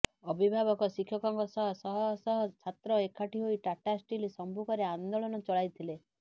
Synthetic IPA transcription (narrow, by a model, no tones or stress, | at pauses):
ɔbʱibʱabɔkɔsikʰjɔkɔŋkɔsɔɦɔsɔɦɔsɔɦɔt͡ʃʰat̪ɾɔekʰaʈiɦoiʈaʈasʈilisɔmbʱukɔɾeand̪oɭɔnɔt͡ʃɔɭajt̪ʰile